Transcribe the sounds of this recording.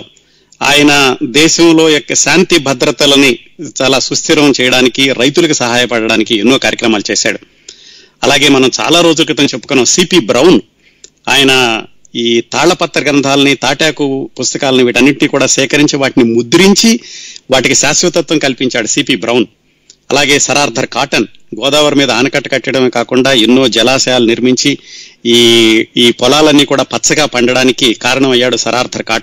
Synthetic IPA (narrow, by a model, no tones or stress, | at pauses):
a̰ːjɐnɐd̪ɛːʃɐmlo̞ːjɔkːɐʃaːnt̪ibʱɐd̪ɾɐt̪ɐlɐni | t͡ʃaːlaːsust̪ʰiɾɐʋɐmt͡ʃɛːjɐɽaːnikiɾɐjt̪ulɐkusɐɦaːjɐpɐɽɐɽaːnikienːuːkaːɾjɐkɾɐmaːlut͡ʃɛːsa̰ːɽu | ɐ̰laːɡe̞ːmɐnɐmt͡ʃa̰ːlaːɾo̞ːd͡ʒulkɾɐt̪ɐŋt͡ʃepːukɔnːɐmsiːpiːbɾɐwn | a̰ːjɐnɐ | iːt̪aːɭɐpɐt̪ːɐɾɡɾɐnd̪ʱaːlɐnit̪aːʈjaːkupust̪ɐkaːlɐniʋiːʈɐnːiʈiniːkuːɽaːsɛːkɐɾiɲt͡ʃiʋaːʈinimud̪uɾiɲt͡ʃiʋaːʈikiʃaːsʋɐt̪ɐt̪ʋɐmkɐlipiɲt͡ʃaːɽusiːpiːbɾɐwn | ɐ̰laːɡe̞ːsɐɾaːɾd̪ʱɐɾkaːʈɐn | ɡɔːd̪aːʋɐɾmiːd̪ɐaːnɐkɐʈːɐ̥kɐʈːɐɽɐmeːkaːkuɳɖaːinːo̞ːd͡ʒɛlaːʃɐjaːluniɾmiɲt͡ʃiː | iːpɔlaːlɐnːiːkuːɽaːpɐt̪ːsɐɡaːpɐɳɖɐɽaːnikikaːɾɐɳɐmɐjːaːɽusɐɾʔaːɾd̪ʱɐɾkaːʈɐn